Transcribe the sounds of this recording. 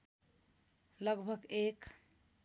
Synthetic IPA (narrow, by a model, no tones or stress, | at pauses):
ləɡbʱəɡek